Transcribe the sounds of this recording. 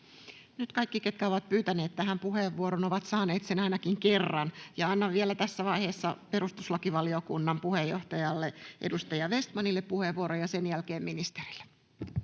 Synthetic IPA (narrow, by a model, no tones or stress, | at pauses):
nyt̪kɑikːiket̪̚kæoʋɑt̪̚pyːt̪æneːt̪t̪æhæmpuheʋːuoɾonoʋɑt̪sɑːneːt̪senɑinɑkiŋkerːɑnjɑɑnːɑʋʋielæt̪æsːæʋɑiheːsːɑpeɾust̪uslɑkiʋɑliokunːɑmpuhejoht̪ɑjɑlːeʔedust̪ɑjɑʋest̪mɑnilːeppuheʋuoɾojɑsenjælkeːmminist̪eril̥ːe̥